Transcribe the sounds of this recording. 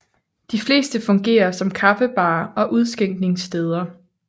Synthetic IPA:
d̥ifle̝̰ːsd̥əfɔ̽ŋɡ̥e̝̰ːɐsɒ̽mkʰɑ̈bəb̥ɑ̈ːɒ̽ʔuð̞ˠsɡ̥eŋ̰ɡ̥ne̝ŋsd̥eːð̞ˠɐ

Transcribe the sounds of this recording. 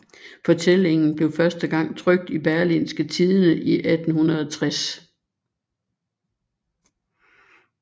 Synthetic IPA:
fɒ̽t͡sʰel̰e̝ŋn̩b̥le̝ʊfɶɐsd̥əɡ̥ɑ̈ŋ̰t͡sʰʁœɡ̥̚d̥ib̥æɐlḭnsɡ̥ət͡sʰiðˠənəʔiʔæd̥n̩hunʁɐð̞̩ˠɒt͡sʰʁas

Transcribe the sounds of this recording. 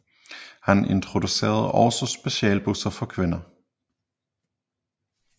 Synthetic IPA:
hænʔe̝nt͡sʰʁo̝d̥use̝̰ːɐð̩ˠɒʊsɒsb̥e̝ɕɛːlb̥usɐfɒ̽kʰʋe̝nɐ

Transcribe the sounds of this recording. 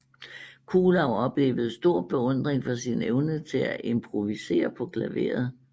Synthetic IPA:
kʰuːlɑ̈ʊɒ̽b̥le̝̰ːʋəð̞̩ˠsd̥o̝ɐ̰b̥e̝ɔ̽n̰d̥ʁeŋfɒ̽sineʊnət͡sʰe̝læʔe̝mpʰʁoʋise̝̰ːɐpʰɒ̽ɡ̥læʋe̝̰ːɐð̩ˠ

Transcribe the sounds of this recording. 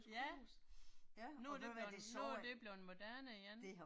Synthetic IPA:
ɡjæ | nuæɐd̥e̥nud̥e̝b̥le̝ʊenmo̝d̥æɐnəjæn

